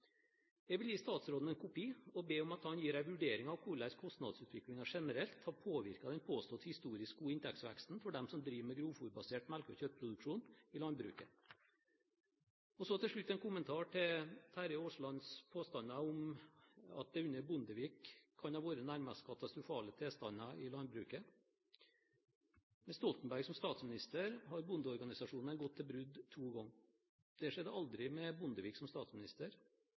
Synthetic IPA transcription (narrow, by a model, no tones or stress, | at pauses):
jɛɡʋɪljiːst̪ɑːt̪sɾoːd̪n̩ɛnkʰʊpiːɔbeːɔmɑt̪hɑnjiːɾæɪʋʉɖeːɾɪŋɑʋkʰʊɭæɪskʰɔst̪nɑd̪sʉːt̪ʰʋɪklɪŋɑʂɛnəɾɛlt̪hɑɾpʰoːʋɪ̰ɾkɑd̪ɛnpʰoːst̪ɔt̪hɪst̪uːɾɪskuːɪnt̪ʰɛksʋæ̰kst̪n̩fɔɖɛmsɔmd̪ɾiːʋəmɛɡɾuːfuɾbɑseːʈmælkəɔçœt̪ːpʰɾʊd̪ʉkʂuːnɪlɑnd̪̚bɾʉ̰ːkə | ɔsɔt̪ɪlʂɭʉt̪ːɛnkʰʊmənt̪ʰɑːʈʰɪlt̪ʰæɾəoːʂɭɑnspʰoːst̪ɑnɑʊm | ɑ̰t̪̚d̪ɛʉnːəbʊnd̪əʋiːkʰːɑnhɑːʋoːɾənæɾmɑskʰɑt̪ɑst̪ɾʊfɑːlət̪ʰeːst̪ɑnɑʔɪlɑnd̪̚bɾʉːkə | mɛnst̪ɔlt̪n̩bæɾɡsɔmst̪ɑːt̪smɪnɪst̪əɾhɑɾbʊnd̪əɔɾɡɑnɪsɑʂuːn̩ɛnɡɔt̪ʰːɪlbɾʉd̪t̪ʰːuːɡɔŋː | d̪̥ɛʂɛd̪əɑld̪ɾɪmɛbʊnd̪əʋiːksɔmst̪ɑːt̪smɪnɪst̪əɾ